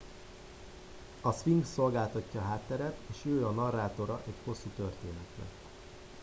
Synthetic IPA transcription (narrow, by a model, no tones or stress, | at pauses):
ɒsʋiŋɡso̞lɡaːlt̪ɒcːɒːɦaːt̪ːɛɾɛt̪eːʃøːɒnɒrːaːt̪o̞ɾɒʔɛcho̞sːut̪ø̞rt̪eːnɛt̪lɛ̰